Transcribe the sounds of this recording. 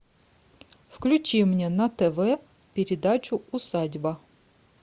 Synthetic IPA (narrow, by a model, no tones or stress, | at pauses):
fklʲʉt͡ɕimnʲenɐt̪ɛvɛ | pʲɪɾʲɪd̪at͡ɕʊʊsadʲbə